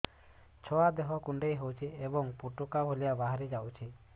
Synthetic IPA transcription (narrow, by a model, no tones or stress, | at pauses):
t͡ʃʰɔad̪eɦɔkuɳɖejɦowt͡ʃʰiebɔŋpuʈukabʱolijabaɦaɾid͡ʒawt͡ʃʰi